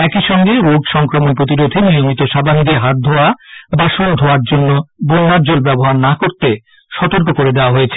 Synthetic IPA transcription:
ɛkiʃɔŋɡeɾoɡʃɔŋkɾomonpɾot̪̬iɾod̪ʱinijomit̪oʃaband̪eɦat̪̚d̪ʱɔabaʃond̪ʱoaɾd͡ʑonːobonːaɾd͡ʑolbɛboɦaɾnakoɾt̪e | ʃɔt̪oɾk̬okoɾed̪eoaɦojet͡ɕʰe̥

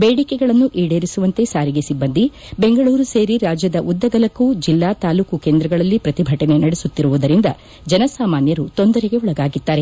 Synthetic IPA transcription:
beːɽikeɡɐɭɐnːuʔiːɽeːɾisuʋɐnt̪e̞saːɾiɡe̞sibːɐnd̪i | beŋɡɐɭuːɾuseːɾiɾaːd͡ʒjɐd̪ɐʔud̪ːɐɡɐlɐkːud͡ʒilːaːt̪aːluːkukeːnd̪ɾɐɡɐɭɐlːipɾɐt̪ibʱɐʈɐne̞nɐɽesut̪ːiɾuʋud̪ɐɾind̪ɐ | d͡ʒɐnɐsaːmaːnjɐɾut̪o̞nd̪ɐɾeɡe̞uɭɐɡaːɡid̪ːaːɾe̞

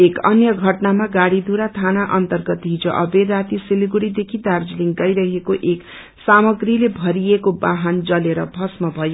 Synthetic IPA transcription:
ekʌnjʌɡʱʌʈnamaɡaɽid̪ʱuɾat̪ʰanaʔʌnt̪ʌrɡʌt̪ɦid͡zʌʔʌberat̪isiliɡuɽid̪ekʰid̪ard͡zliŋɡʌjɾʌɦekoʔek | samʌɡrilebʱʌɾiekobaɦand͡zʌleɾʌbʱʌsmʌbʱʌjo

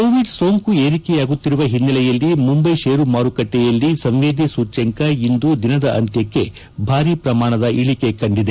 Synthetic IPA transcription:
koːʋiɖso̞ːŋkue̞ːɾikɛjaːɡut̪ːiɾuʋɐɦinːɐlɛjɐlːimumbɐjʃeːɾumaːɾukɐʈːɛjɐlːisɐŋʋeːd̪isuːt͡ʃɐŋkɐind̪ud̪inɐd̪ɐʔɐ̰nt̪jɐkːe̞ | bʱaːɾiːpɾɐmaːɳɐd̪ɐʔiɭike̞kɐɳɖid̪e

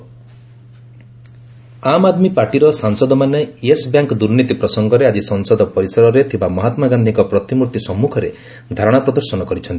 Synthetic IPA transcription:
amad̪mipaɾʈiɾɔsaŋsɔd̪ɔmaneesbjaŋkɔd̪uɾnit̪ipɾɔsɔŋɡɔɾead͡ʒisɔŋsɔd̪ɔpɔɾisɔɾɔɾet̪ʰibamɔɦat̪maɡand̪ʱiŋkɔpɾɔt̪imuɾt̪isɔmːukʰɔɾe | d̪ʱaɾɔɽ̃apɾɔd̪ɔɾsɔnɔkɔɾit͡ʃʰɔnt̪i̥

